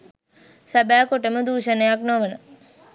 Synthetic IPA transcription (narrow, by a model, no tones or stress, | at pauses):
sabæːkoʈəməd̪uːʃənəjaknoʋənə